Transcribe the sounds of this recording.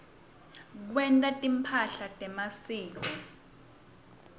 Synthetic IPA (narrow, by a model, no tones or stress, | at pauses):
k̬wɛntʼatʼimpʰaɬatʼɛmasiːk̬ɔ